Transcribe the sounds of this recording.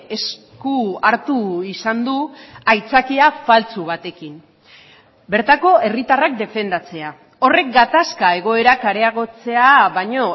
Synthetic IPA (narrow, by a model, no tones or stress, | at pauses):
e̞s | kuaɾt̪uisand̪uajt͡sakiafalt͡suβ̞at̪e̞kin | be̞ɾt̪ako̞e̞rit̪arak̚d̪e̞fe̞nd̪at͡se̞a | o̞re̞k̚ɡat̪askae̞ɣ̞o̞e̞ɾakaɾe̞aɣ̞o̞t͡se̞aβaɲo̞